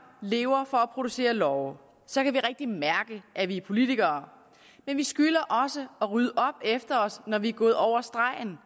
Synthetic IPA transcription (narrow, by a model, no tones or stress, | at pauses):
le̝ːʊɐfɒ̽æpʰʁo̝d̥use̝̰ːɐlɒʊ | sɒ̽kʰæʋiʁeɡ̥̚d̥imæɐɡ̥əʔæʋipʰo̝lit͡sʰiɡ̥ɐː | menʋisɡ̥ylɐʔɒ̽səɒ̽ʁyð̞ˠəʔɒ̽b̥efd̥ɐɒ̽snɒʋiæɡ̥ɔ̽ːð̞̩ˠɒʊ̰ɐsd̥ʁɑ̈ɪn